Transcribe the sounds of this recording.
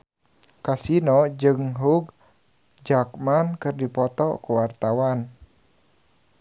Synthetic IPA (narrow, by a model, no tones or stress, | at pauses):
kasinɔd͡ʒɨŋɦuɡ | d͡ʒakmankɨrdipɔt̪ɔkuwart̪awan